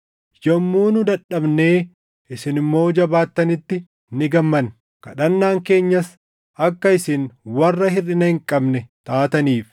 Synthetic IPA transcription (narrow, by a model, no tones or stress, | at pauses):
jɔmːuːnʊd̪ɐᶑɐbne̞ː | ʔɪsɪnɪmːo̞ːd͡ʒɐbaːt̪ːɐnɪt̪ːɪ | nɪɡɐmːɐn | kɐ̰ᶑɐnːaːŋke̞ːɲːɐs | ʔɐkːɐɪsɪnwɐrːɐhɪrɪnɐhɪŋkʼɐbnɛt̪aːt̪ɐniːf